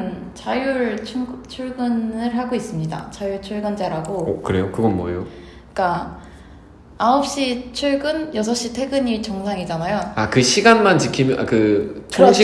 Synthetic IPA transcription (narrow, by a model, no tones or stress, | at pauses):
nt͡ɕajuɭʰt͡ɕʰuɭɡɯnɯɭɦaɡois͈ɯmɲida̰t͡ɕajuɭt͡ɕʰuɭɡɯnd͡ʑaɾaɡo̰kɯɾe̞jokɯɡʌnmwʌjo | k͈a | aop̚ɕ͈it͡ɕʰuɭɡɯnjʌs̬ʰʌɕ͈itʰe̞ɡɯɲit͡ɕʌŋsʰaŋid͡ʑanajoakɯɕʰiɡanmant͡ɕikʰimkɯt͡ɕʰoɕʰ